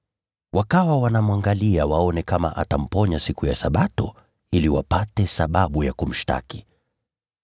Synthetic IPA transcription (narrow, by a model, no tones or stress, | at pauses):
wʔakawawanamwaŋɡaliawaɔnɛkama̰ʔatam̩pɔɲasikujasaɓatɔ | iliwa̰patɛsaɓaɓujakum̩ʃta̰ki̥